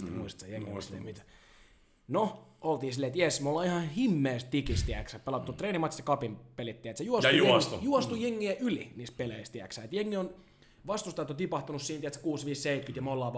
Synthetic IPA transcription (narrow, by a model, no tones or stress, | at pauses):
t̪imuist̪sejeŋːḭsilːḛmit̪æ̥ | noolt̪iːsilːet̪jesmolːɑːihɑ̃himːeːstt̪ikist̪iæksæpelɑt̪ːut̪reːnimːɑt̪jɑsekɑpimpelit̪ːiæet̪sejuosust̪ujuost̪ujeŋːiæʔyliniːst̪̚peleist̪iæksæːet̪jeŋːion | ʋɑst̪ust̪ɑet̪ːot̪ipɑht̪unussiːnæt̪se̥kuːsʋiːsseit̪kyt̪jɑmolːɑːʋ